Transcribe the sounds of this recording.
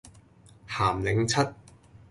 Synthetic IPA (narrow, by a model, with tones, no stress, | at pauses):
haː˨˩mlɪ˨˥ŋt͡sʰɐ˥t̚